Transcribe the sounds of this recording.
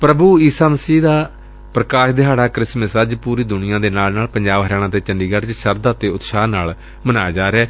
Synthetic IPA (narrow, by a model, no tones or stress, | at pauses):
pɾəbuːiːsaːməsiːd̪aː | pɾəkaːʃd̪eɦaːɽaːkɾɪsməsəd͡ʒpuːɾiːd̪ʊnɪjãːd̪eːnaːlnaːlpəɲd͡ʒaːbəɾɛːɽ̃ãːt̪eːt͡ʃəɳɖiːɡəɾt͡ʃʃəɾd̪aːt̪eːʊt̪ʃaːnaːl | mənaːjːd͡ʒaːɾeɛː